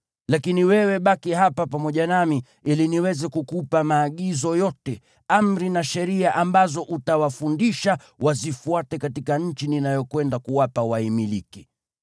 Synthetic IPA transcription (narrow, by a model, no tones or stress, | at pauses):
lakiniwɛwɛɓakiɦapapamɔʄanami | iliniwɛzɛkukupamaːɠizɔjɔtɛ | am̩ɾinaʃɛɾiaʔambazɔʔutawafundiʃa | wazifuatɛkatikaɲ̩t͡ʃininajɔkwɛndakuwapawaimiliki